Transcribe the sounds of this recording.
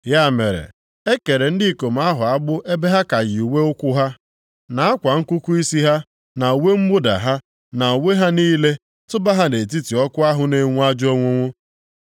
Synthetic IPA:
ja˦˨me˨ɾḛ˨ | e˦ke˨ɾe˨n̩˦dɪ˦ko˨m̩˨˦a˦ɦʊ˨a˦ɡ͡bʊ˦e˦be˦ɦa˦ka˨ɣɪ˨u˨we˦ʊ˦kʷʊ˦ɦa˦ | na˨a˦kʷa˨ŋ̩˦ku˦ku˦i˦si˦ɦa˦ | na˨u˨wʷe˦m̩˦ɡ͡bʊ˦da̰˨ɦa˦ | na˨o˨we˦ɦa˦niː˦le˦ | tʊ˦ba˦ɦa˦ne˨t̬i˦ti˨ɔ˦kʊ˦a˦ɦʊ˦ne˨ŋʷu˦a˦d͡ʒo˦ŋʷʊ˦ŋʷʊ˦

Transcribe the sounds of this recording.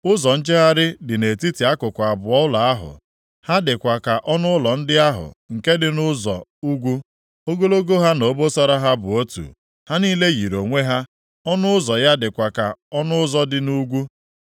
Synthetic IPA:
ʊ˦zɔ˨n̩˦d͡ʒe˦ɦa˦ɾɪ˦dɪ˨ne˨ti˦ti˨a˦kʊ˨kʷa˨bʊ˨ɔ˦ʊ˦la˨a˦ɦʊ̰˨ | ha˦dɪ˨kʷa˨ka˨ʔɔ˦nʊ˦ʊ˦lɔ˨n̩˦dɪ˦a˦ɦʊ̰˨ŋ̩˨ke˦dɪ˨nʊ˦zɔ̰˨u˦ɡʷu˦ | o˦ɡo˦lo˦ɡo˦ɦa˦no˨˦bo˦sɔ˦ɾa˦ɦa˦bʊ˨o˦tṵ˨ | ha˦niː˦le˦ɣi˨ɾo˨ŋʷe˦ɦa˦ | ɔ˦nʊ˦ʊ˦zɔ˨ja˦dɪ˨kʷa˨ka˨ɔ˦nʊ˦ʊ˦zɔ˦dɪ˨nu˦ɡʷu˦

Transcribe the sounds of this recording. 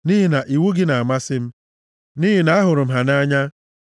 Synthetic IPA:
ni˦ɦi˨na˨ʔi˨wu˦ɡɪ˦na˨a˨ma˦sɪ˦m̩˦ | ni˦ɦi˨na˨a˦ɦʊ˨ɾʊ˨m̩˨ɦa˨na˦ɲa˦

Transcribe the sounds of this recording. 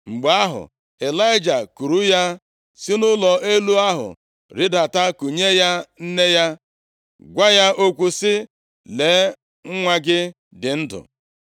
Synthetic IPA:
ŋ͡m̩˨ɡ͡ba˦ɦʊ̰˨ | e˨la˦ɪ˦d͡ʒa˨ku˨ɾu˦ja˦ | sɪ˦nʊ˦lɔ˨e˦lu˦a˦ɦʊ̰˨ | ɾɪ˦da˨ta˦ku˨ɲe˦ja˦n̩˦ne˦ja˦ | ɡʷa˦ja˦ʔo˦kʷu˨sɪ˦ | le˨˦ | ŋ̩˦ŋʷa˦ɡɪ˦ | dɪ˨n̩˦dʊ̰˨

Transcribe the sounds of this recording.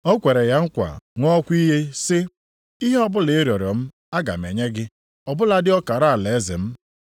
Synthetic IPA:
ɔ˦kʷe˨ɾe˨ja˦ŋ̩˦kʷa̰˨ŋʷɔ˦kʷi˦ɦe˦sɪ˦ | i˦ɦe˦ɔ˦bʊ˦le˨e˦ɾjɔ˨ɾɔ˨m̩˦ | a˦ɡa̰˨m̩˨ḛ˨ɲe˦ɡɪ˦ | ɔ˨bʊ˦la˨dɪ˦ɔ˦ka˨ɾa˦˨le˨e˦zɪ̰˨m̩˦

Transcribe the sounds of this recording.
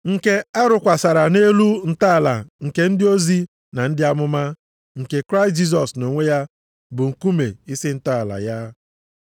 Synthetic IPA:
ŋ̩˨ke˦a˦ɾʊ˨kʷa˨sa˨ɾa˨ne˦lu˦n̩˨ta˦˨la̰˨ŋ̩˨ke˦n̩˦dɪ˦o˦zi˦ | na˨n̩˦dɪ˦a˦mʊ˦ma˦ | ŋ̩˨ke˨kɾa˦ɪ˨std͡ʒi˦s̬ɔ˨sno˨ŋʷe˦ja˦ | bʊ˨ŋ̩˨ku˦mḛ˨ɪ˦sɪ˦n̩˦ta˦a˨la̰˨ja˦

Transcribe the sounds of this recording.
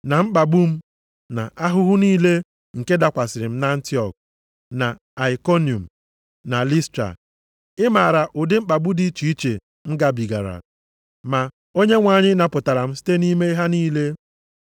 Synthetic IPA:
na˨m̩˦k͡pa˨ɡ͡bu˦m̩˦ | na̰˨ʔa˦ɦʊ˦ɦʊ˦niː˦le˦ | ŋ̩˨ke˦da˨kʷa˨sɪ˨ɾɪ˨m̩˦na˦n̩˦ti˦ɔ˨k̚ | na˨ | a˨i˨ko˦ni˨u˨m̩˨ | na˨li˦stɾa̰˨ | ɪ˦ma˨ɾa˨ʔʊ˨dɪ˦ŋ͡m̩˦k͡pa˨ɡ͡bu˦di˦t͡ʃi˨i˦t͡ʃḛ˨ | ŋ͡m̩˦ɡa˨bi˨ɡa̰˨ɾa̰˨ | ma˨ | o˦ɲe˦ŋʷaː˨ɲɪ˦na˨pʊ˨ta˨ɾa˨m̩˦s̬i̥˦te˦ni˦me˦i˦ɦa˦niː˦le˦

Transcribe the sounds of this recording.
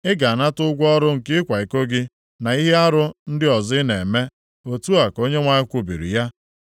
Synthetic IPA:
ɪ˦ɡa˨na˦tʊ˦ɡʷɔ˦ɾʊ˦ŋ̩˨kɪ˦kʷa˨i˨ko˦ɡɪ˦ | na˨i˦ɦe˦a˦ɾʊ˦n̩˦dɪ˦ɔ˨zɪ˦ne˨me˦ | o˨tu˦a˨ko˦ɲe˦ŋʷa˦ɪ˦kʷu˨bi˨ɾḭ˨ja˦

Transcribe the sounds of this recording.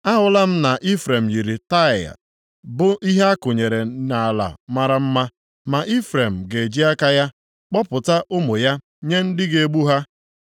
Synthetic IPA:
a˦ɦʊ˨la˦m̩˦na˨ʔi˦fɾe˨m̩˨ji˨ɾi˨ta˦˨a̰˨ | bʊ˦ʔi˦ɦe˦a˦kʊ˨ɲe˨ɾe˨na˨a˨la̰˨ma˦ɾa˦m̩˦ma˦ | ma˨ʔi˦fɾe˨m̩˨ɡe˨d͡ʒi˦a˦ka˦ja˦ | k͡pɔ˦pʊ˨ta˦ʔʊ˦mʊ˨ja˦ | ɲe˦n̩˦dɪ˦ɡe˨e˦ɡ͡bu˦ɦa˦

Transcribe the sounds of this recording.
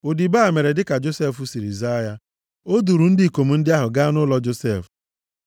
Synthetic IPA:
o˨di˨ba˦˨me˨ɾe˨dɪ˦ka˨d͡ʒo˦se˦˨fu˦si˨ɾḭ˨za˦ja˦ | o˦du˨ɾu˨˦n̩˦di˦i˨ko˨mu˨n̩˦dɪ˦a˦ɦʊ˨ɡa˦nʊ˦lɔ˦d͡ʒo˦se˦˨f

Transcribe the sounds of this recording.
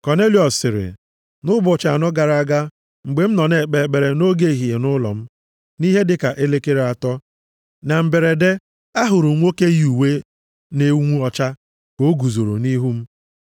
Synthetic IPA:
kɔ˨ne˦li˨˦ɔ˨sːɪ˨ɾɪ̰˨ | nʊ˦bʊ˨t͡ʃa˨nʊ˦ɡa˨ɾa˦ɡa˦ | ŋ͡m̩˨ɡ͡be˨m̩˦nɔ˨ne˨k͡pe˨k͡pe˨ɾe˨no˦ɡe˦˨ɦi˨e˨nʊ˦lɔ̰˨m̩˦ | ni˦ɦe˦dɪ˦ka˨ʔe˦le˦ke˦ɾe˨a˨tɔ˦ | na˨m̩˨be˨ɾe˨de˦ | a˦ɦʊ˨ɾʊ˨˦ŋʷo˦ke˦ju˨we˦ | ne˨˦ŋʷu˦ɔ˨t͡ʃa˦ | ko˨˦ɡu˨zo˨ɾo̰˨ni˦ɦu˦m̩˦

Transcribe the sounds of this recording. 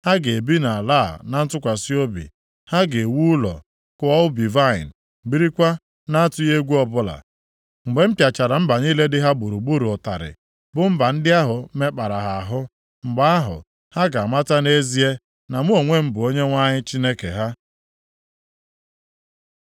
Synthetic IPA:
ha˦ɡe˨e˨bi˦na˨a˨la˦˨na˨n̩˦tʊ˦kʷa˨si˦o˦bḭ˨ | ha˦ɡe˨wu˦lɔ̰˨ | kʊ˦ɔ˦ʊ˦bi˨va˦˨ɪ̰˨n̩˨ | bi˦ɾi˦kʷa˦ | na˦a˦tʊ˦je˦ɡʷu˦ɔ˨bʊ˦la̰˨ | ŋ͡m̩˨ɡ͡be˨m̩˦pja˨t͡ʃa˨ɾa˨m̩˦ba˨ɲi˦le˦dɪ˦ɦa˦bu˨ɾu˨ɡ͡bu˦ɾu˨ʊ˨ta̰˨ɾɪ̰˨ | bʊ˨m̩˦ba˨n̩˦dɪ˦a˦ɦʊ˨˦me˦k͡pa˨ɾa˨ɦa˨a˨ɦʊ˦ | ŋ͡m̩˨ɡ͡ba˦a˦ɦʊ̰˨ | ha˦ɡa˨ma˦ta˦ne˦zi˦e˦ | na˨mu˦o˨ŋʷe˦m̩˦bʊ˨o˦ɲe˦ŋʷa˦ɲɪ˦t͡ʃi˦ne˦ke˨ɦa˦

